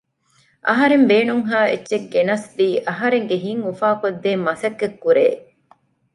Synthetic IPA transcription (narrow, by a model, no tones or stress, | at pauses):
ʔɐɦɐɾembeːnuŋɦaːetːʃeɡːenɐsdiːʔɐɦɐɾeŋɡeɦiŋufaːkod̪ːeːmɐsɐkːekːuɾḛː